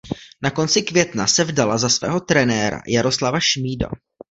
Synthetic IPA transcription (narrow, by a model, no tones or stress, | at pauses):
nako̞nt͡sɪkvjɛt̪na̰sɛvdalazasvɛ̰ːɦo̞t̪ɾɛnɛːɾa̰jaɾo̞slavaʃmiːda̰